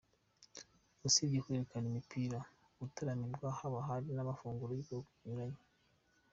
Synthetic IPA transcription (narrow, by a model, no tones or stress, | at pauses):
usibekwe̞ɾekanimipʰiɾa | ɡutaɾamiɾɡwahaβaɦaɾinaβafuːŋɡuɾojiɡokuɲuɾaɲi